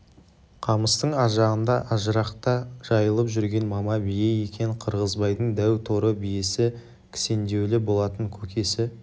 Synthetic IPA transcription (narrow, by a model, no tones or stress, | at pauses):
qʰɑməst̪əɴɑʒɑʁənd̪ɑʔɑʒəɾɑqt̪ɑʒ̥ɑjəlˠəpʒʏɾɡʲe̞nmɑmɑbijeje̞kʲe̞ŋqʰəɾʁəzbɑjd̪əɴd̪æwt̪ʰo̞ɾəbijesɪ | kʲʰɪ̥se̞nd̪e̞wlɪbo̞lˠɑt̪əŋkʲʰɵkʲʰe̞sɪ